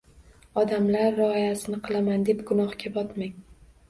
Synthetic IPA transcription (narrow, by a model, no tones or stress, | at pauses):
ɒd̪amlaɾːɪɒjasɪnɪqʰɨlˠamand̪e̞pɡʊnɒhkʲabɒt̪maŋ